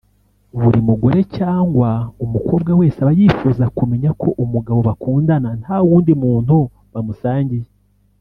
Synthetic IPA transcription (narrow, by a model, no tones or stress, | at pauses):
βuɾimuɡo̞ɾe̞caːŋɡwaumukoːbɡawe̞ːsaβajiːfuzakume̞ɲakʰo̞ʔumuɡaβo̞βakuːndananhawuːndimuːn̥hu | βamusaːɲɟije